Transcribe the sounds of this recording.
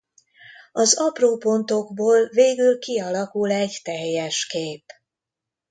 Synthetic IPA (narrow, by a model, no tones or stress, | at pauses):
ɒzɒproːpo̞nt̪o̞ɡboːlveːɡylkiɒlɒkulɛɟt̪ɛjːɛʃkeːp